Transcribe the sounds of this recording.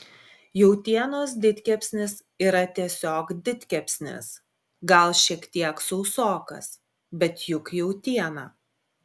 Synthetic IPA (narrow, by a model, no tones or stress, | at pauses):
jɛʊt̪ʲiɛnoːs̬d̪ʲɪt̪ʲkʲɛpʲsʲnʲɪs | iːɾɐt̪ʲiɛsʲoːkd̪ʲɪt̪ʲkʲɛpʲsʲnʲɪ̰s | ɡɐlˠʃʲiɛkt̪ʲiɛksɔʊsoːkɐ̰s | bʲɛt̪jʊkjɛʊt̪ʲiɛnɑː